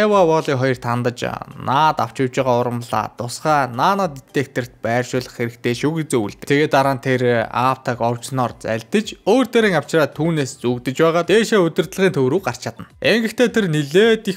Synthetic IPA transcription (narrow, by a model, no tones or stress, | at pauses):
awawɔʁɮiːŋχɔjɞ̆rt̪ʰant̪ə̆t͡ɕnaːt̪aw̥t͡ɕɪwt͡ɕɪʁaːʊɾə̆mɮa̰ːt̪ʊsχæːnaːnat̪it̪eːk̚t̪ʰɘ̆r̥t̪̚pæːrʃʊːɮə̆χxeɾɘ̆kt̪ʰeːʃuɣet͡seːuɮt̪ɘ̆t̪ʰeɣeːt̪aɾaːnt̪ʰera̰pt̪ʰakɔw̥t͡ɕnɔːrt͡sæ̰ɮt̪ə̆t͡ɕoːrt̪eɾiːŋaw̥t͡ɕraːt̪ʰːuːneːst͡sukt̪ɘ̆t͡ɕpæːʁaːt̪eːʃeːɵt̪ʲɵ̆rt̪̆ɮʁiːnt̪ʰɵwɾuːɢar̥t͡ɕʰaːt̪ə̆neŋɡɘ̆xt̪ʰeːt̪ʰerniɮeːt̪i